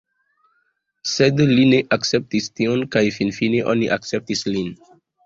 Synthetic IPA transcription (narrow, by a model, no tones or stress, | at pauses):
sedlineʔaksep̚tistiɔnkajfinfineʔo̰niʔaksep̚tislin